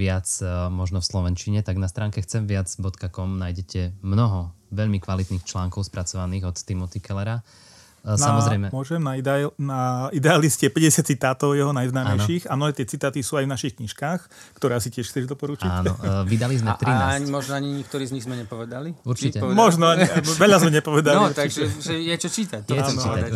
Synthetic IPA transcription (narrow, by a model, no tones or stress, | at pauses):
ʋɪat͡smɔʒnɔfslɔʋɛnt͡ʃiɲɛt̪aɡnast̪ɾaːŋkɛxt͡sɛmʋɪad͡zbɔt̪kakɔmnajɟɛcɛmnɔɦɔ | ʋɛʎmikʋalit̪niːxt͡ʃlaːŋkɔʊspɾʔat͡sɔʋaniːɣɔt̪ːimɔt̪ikɛlɛɾa | samɔzɾɛɪmɛmʊɔʒɛmnanaid̪ɛaliscɪɛpɛɟɛsat͡sit̪aːt̪ɔʊjɛɦɔnajznaːmɛjʃiːxamnɔɦɛːt̪ɪɛt͡sit̪aːt̪isuːajvnaʃixkɲiʃkaːx | kt̪ɔɾɛːsicɪɛʃxt͡sɛʒd̪ɔpɔɾut͡ʃiaːnɔʋid̪alizmɛt̪ɾinɲmɔʒnɔaɲiɲik̚t̪ɔɾiːzɲiɣzmɛɲɛpɔʋɛd̪aliuɾt͡ʃicɛmɔʒnɔaɲiʋɛʎazmɛɲɛpɔʋɛd̪aliɾt̪aiʒɛʒɛjɛt͡ʃɔt͡ʃiːt̪anɔ